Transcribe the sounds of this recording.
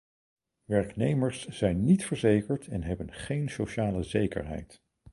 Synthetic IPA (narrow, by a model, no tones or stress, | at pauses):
ʋɛɹknejməɹsz̥ɛjnːitfəɹzejkəɹtʰɛnɦɛbənχejnsowʃaːləzejkə̰ɹɦɛ̰jt